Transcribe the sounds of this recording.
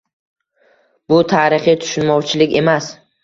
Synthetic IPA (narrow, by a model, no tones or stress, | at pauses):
bʊt̪ʰaːɾɪχit̪ʰʊ̥ʃʊnmɒwt͡ʃʰɪlɪkʲe̞mas